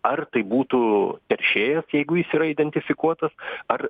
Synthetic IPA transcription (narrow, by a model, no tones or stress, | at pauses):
ɐrt̪ɐɪbuːt̪uːt̪ʲɛɾʲʃʲeːjɛsjɛɪɡʊjɪsiːɾɐid̪ʲɛnʲt̪ʲɪfʲɪkuɔt̪ɐsɐr